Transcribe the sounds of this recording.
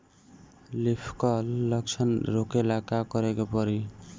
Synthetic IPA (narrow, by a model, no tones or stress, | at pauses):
lipʰkʌlːʌk̚t͡sʰʌnɾokelakakʌɾekopʌɾi